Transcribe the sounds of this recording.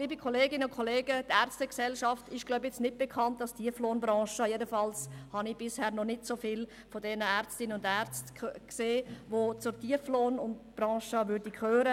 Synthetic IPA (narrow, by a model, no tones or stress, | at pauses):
liːbikʰoleːɡɪnəʊnkʰoleːɡətæɾstəksɛlʃɑftɪʃɡlaʊbjɛt͡snɪt̚b̥ekʰɑntdɑstʰiəfloːnbɾɑ̃ːʃəjɛdəfɑlshɑnib̥ɪshɛːɾnɔnɪtsofɪl | fodɛnəɛɾt͡stɪnəʊndɛɾt͡stkseːʋot͡sʊɾtiəfloːnʊndb̥rɑ̃ːʃəʋʏɾdikʰøːɾə